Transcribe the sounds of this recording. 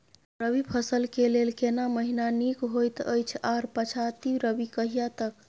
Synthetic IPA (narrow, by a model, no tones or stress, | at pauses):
ɾəbipʰəsəlkelelkenaməɦinanikɦojt̪ə̰jt͡ʃʰaɾpət͡ʃʰat̪iɾəbikəɦijat̪ək